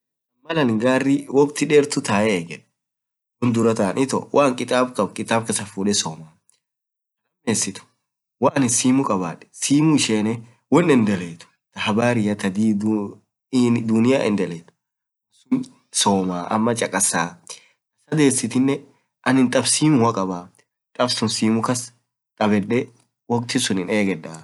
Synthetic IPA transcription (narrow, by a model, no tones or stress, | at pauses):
mɐlɐnɡaːrːɪwɔkt̪ɪᶑeːɾt̪ʊt̪aːʔɛɛɡɛᶑ | wɔnd̪ʊɾɐt̪aːnʔɪt̪ɔ̰wʔaːŋkʼɪt̪ʼaːbkɐbkʼɪt̪ʼaːb̚kɐsɐfuːᶑɛsoːmaː | ɐmeːsɪt̪ʊ̥ | waːnɪsiːmʊkʼɐba̰ːᶑɛ̥siːmʊɪʃeːnɛ | wɔnːɛnd̪ɛleːt̪ʊ̥ | t̪ɐhɐbaːɾɪjɐt̪ɐd̪iːd̪ | d̪ʊnɪjaːʔɛ̰nd̪ɛleːt̪ʊ̥ | sʊn | soːmaːʔɐ̰mːɐt͡ʃʼɐkʼɐsːaː | ɐsɐd̪e̞ːsːɪt̪ɪnːɛ | ʔɐnɪnt̪ʼɐbsiːmʊwɐkʼɐbaː | t̪ʼɐbsʊnsiːmʊkɐs | t̪ʼɐbɛᶑɛ | wɔkʼt̪ɪsʊnɪneːɡɛᶑaː